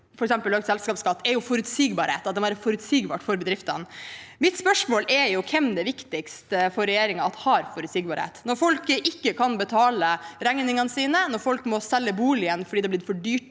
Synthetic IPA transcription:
fɔɾɛksɛmpəlːøːɡsɛlskɑːpskɑt̪ːɛɾjʊfɔɾʉt̪siːɡbɑːɾheːt̪ɑt̪̚d̪ɛæːɾəfɔɾʉt̪siːɡbɑ̰ːʈfɔɾbɛd̪ɾɪft̪ɑnmɪt̪spœʂmoːlɛɾjʊkʰɛmd̪ɛʋɪkt̪ɪkst̪əfɔɾːɛjeːɾɪŋɑɑt̪hɑɾfɔɾʉt̪siːɡ̚bɑːɾhḛːt̪nɔɾfɔlkəʔɪkːəkʰɑnbət̪ʰɑːləɾæŋnɪŋənəsiːnənɔɾfɔlkmɔsɛlːəbuːlɪənfɔɖid̪ɛblɪɾfɔɖyːʈ

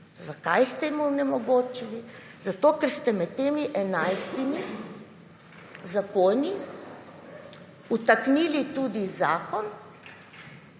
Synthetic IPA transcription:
zakajst̪ɛimɔwnɛmɔɡoːt͡ʃili | zat̪oːkɛɾst̪ɛmɛt̪ːeːmiʔɛnajst̪imi | zakoːni | ut̪aknilit̪ud̪izaːkɔn

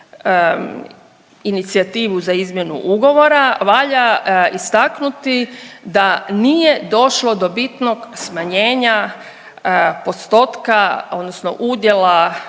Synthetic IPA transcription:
init̪siat̪iːʋuzaizmje̞nṵʔuɡo̞ʋo̞ɾaʋaʎaist̪aknut̪id̪anije̞d̪o̞ʃlo̞d̪o̞bit̪no̞ɡsmaɲe̞ːɲa | po̞st̪o̞t̪kao̞d̪nosno̰ʔud̪je̞la

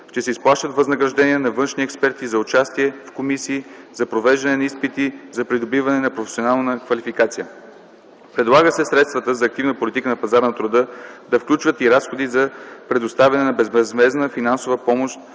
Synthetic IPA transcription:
t͡ʃɛsɛisplˠaʃt̪ət̪vɐznɐɡɾɐʒd̪ɛniɛnɐvɤnʃniɛkspɛɾt̪izɐʊt͡ʃast̪iɛfkomisiːzɐpɾovɛʒd̪ɐnɛnɐispit̪izɐpɾid̪obivɐnɛnɐpɾofɛ̥sionalˠnəkvɐlifikat̪sijə | pɾɛd̪lˠaɡəsɛsɾɛt̪st̪vət̪əzɐːk̚t̪ivnəpolʲit̪ikənɐpɐzaɾnɐt̪ɾʊd̪ɤd̪ɐfklʲut͡ʃvət̪iɾasxod̪izɐpɾɛd̪ʊst̪avʲɛnɛnɐbɛzmɛzmɛznəfinansovəpɔmoʃt̪̚

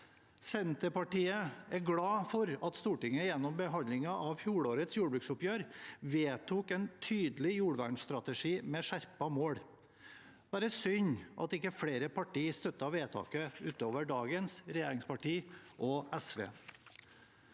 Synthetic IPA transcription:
sɛnt̪əpɑʈiːəɛɾɡɽɑːfɔɾɑt̪st̪uːʈɪŋːəjɛnːɔmbəɦɑnɪŋɑʔɑʋçjuːɽoːɾət̪sjuːɖəbɾʉksʊpjøːɾʋeːt̪ʰuːkɛnt̪ʰyːd̪lɪjuːɽʋæːɳsst̪ɾɑt̪əʂiːmɛʂæɾpɑmoːɽ | b̥æːɾəsʏɲʔɑ̰t̪ɪkːəfɽeːɾəpɑʈiːst̪œt̪ːɑʋeːt̪ʰɑ̰ːkəʉːt̪oːʋəɖɑːɡənsɾɛjeːɾɪŋspɑʈiːʔɔɛsʋḛː

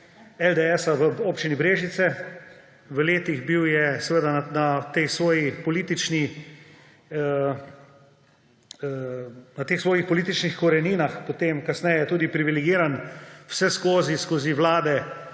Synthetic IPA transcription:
ɛld̪eɛsaʋəoːpt͡ʃinibɾeːʒit̪sɛ | ʋəleːt̪iɣbiwjɛsɛʋeːd̪ananat̪exsʋoːjipɔliːt̪it͡ʃni | nat̪eːxsʋoːjixpɔliːt̪it͡ʃnixkɔɾɛniːnaxpot̪emkasnɛjɛjɛt̪uːd̪ipɾiʋilɛɡiːɾanw̥sɛskoːziskoziʋlaːd̪ɛ

